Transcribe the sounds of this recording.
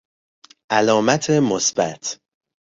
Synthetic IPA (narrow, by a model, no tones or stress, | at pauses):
ʔælɒːmæt̪ʰemosb̥æt̪ʰ